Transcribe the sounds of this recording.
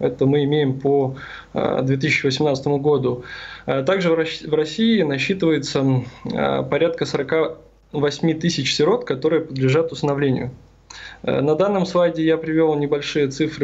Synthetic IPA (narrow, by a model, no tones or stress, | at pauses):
ɛt̪əmɨɪmʲejɪmpo̰ | d̪vʲe̞t̪̬ɨsʲɪt͡ɕːɪvəsʲɪmnat̪st̪əmʊɡod̪ʊt̪aɡʐɨvrɐsʲiɪnɐɕːit̪ɨvəjɪt̪sə | pɐɾʲat̪̚kəsəɾɐka | vɐsʲmʲit̪ɨsʲɪt͡ɕsʲɪɾo̞t̪kɐt̪o̞ɾɨjəpəd̪lʲɪʐat̪ʊst̪ənɐvlʲenʲɪ̰jʊ̰ | nɐd̪anːəmslˠajdʲɪjapɾʲɪvʲelˠnʲɪbɐlʲʂɨjət̪sɨfɾɨ